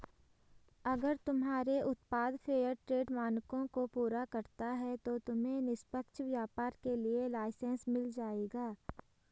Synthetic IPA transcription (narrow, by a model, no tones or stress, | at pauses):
ɐɡəɾt̪ʊmɦaːɾeʔʊt̪paːd̪pʰeːjəɾʈɾeːɖmaːnkõkopuːɾakɐɾt̪aɦɛt̪ot̪ʊmẽnɪspəkʃʋjaːpaːɾkelielaːɪsẽnsmɪld͡ʒaːeːɡaː